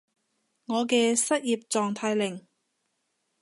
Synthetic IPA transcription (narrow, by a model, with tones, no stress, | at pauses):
ŋɔː˨˧kɛː˧sɐ˥t̚jiː˨p̚t͡sɔː˨ŋt̪ʰaː˧jlɪ˨˩ŋ